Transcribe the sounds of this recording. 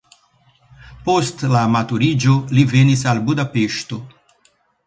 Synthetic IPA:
post̪laːmat̪uɾid͡ʒolivenisalbud̪apeʃt̪o

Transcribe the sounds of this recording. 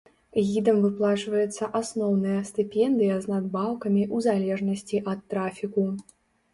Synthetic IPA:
ɣʲid̪ɐmvɨplˠat͡ʂvɐjɛt̪sːɐʔasnɔwnɨjɐst̪ɨpʲɛnd̪ɨjɐznad̪̚baw̪ˠkɐmʲiʔuzalʲɛʐnɐsʲt͡sʲiʔɐt̪ːɾafʲiku

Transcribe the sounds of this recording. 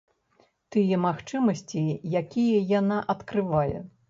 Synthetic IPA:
t̪ɨjɛmaxt͡ʂɨmɐsʲt͡sʲijakʲijɐjanaʔɐt̪kɾɨvajɛ̰

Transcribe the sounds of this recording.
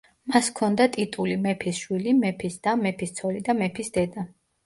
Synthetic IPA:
maskʰɔnd̪at̪ʼit̪ʼulimɛpʰisʃwilimɛpʰisd̪̥amɛpʰist̪sʰɔlid̪amɛpʰisd̪ɛd̪a

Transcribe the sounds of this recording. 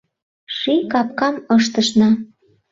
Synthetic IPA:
ʃikɑp̚kɑmɤʃt̪əʃnɑ

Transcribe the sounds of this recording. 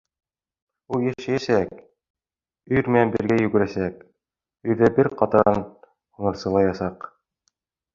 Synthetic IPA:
ulˠjæʃæjæsæk | ɵ̆jɾmɘ̆nænbɘ̆ɾɡæjɵ̆ɡɘ̆ɾæsæk̚ | ɵ̆jðæbɘɾqɑt̪ɑɑn | unɤ̆ɾsɤ̆lˠɑjɑsɑq

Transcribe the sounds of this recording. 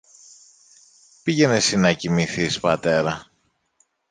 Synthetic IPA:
piʝe̞nesinɐcimiθispɐt̪e̞ɾɐ

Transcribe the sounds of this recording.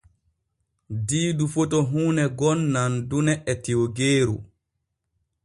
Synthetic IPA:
diːdufotɔɦuːnɛɡɔnːandunɛʔɛtioɡeːɾṵ

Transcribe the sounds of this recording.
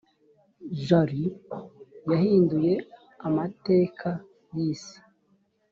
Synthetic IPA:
ʒaɾi | jahiːnduje̞ | amate̞ːkʰa | jiːsḁ

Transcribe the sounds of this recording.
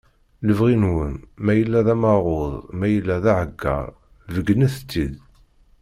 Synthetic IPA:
ləvʁinwənmæjəlːæðæmɑʁoðˤmæjəlːæðæʕəɡːɑ̰ɾˤ | vəɡənæθə̥t͡sːid̪

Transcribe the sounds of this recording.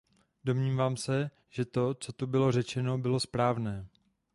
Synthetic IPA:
do̞mɲiːvaːmsɛ | ʒɛt̪o̞t͡so̞t̪ubɪlo̞r̝ɛt͡ʃɛno̞bɪlo̞spɾaːvnɛː

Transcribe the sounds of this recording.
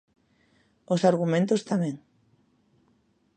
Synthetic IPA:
osaɾɣ̞umẽnt̪ost̪amẽŋ

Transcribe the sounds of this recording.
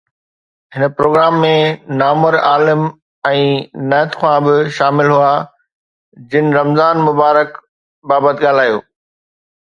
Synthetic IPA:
ɦɪnəpɾoːɡɾaːmːẽnaːməɾaːlɪm | ɛ̃ːnɛːt̪xʰãbɪʃaːmɪlɦuaː | d͡ʑɪnɪ̆ɾɐmzaːnmʊbaːɾək | baːbət̪ɠaːl̤aːjoː

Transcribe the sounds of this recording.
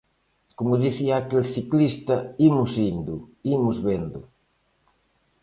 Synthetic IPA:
komʊðiθiaːkelθiklist̪ɐimʊsind̪ʊimʊzβend̪ʊ

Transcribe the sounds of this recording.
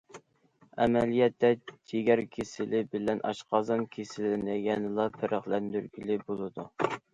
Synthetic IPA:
ɛ̰mɛlijɛt̪ːɛd͡ʒʰeɡʲɛɾkʲʰesɪlɪbɪlɛnʔɑ̰ʃqʰɑzɑnkʲʰesɪlɪnɪjɛnɨlˠɑpʰɪɾʔəχlɛnd̪yɾɡʲilɪbolˠɨd̪u

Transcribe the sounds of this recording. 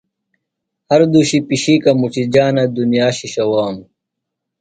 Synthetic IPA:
hɐɾd̪uɕipiɕikɐmut͡ɕid͡ʑaːnɐd̪unjaːɕiɕɐwaːm

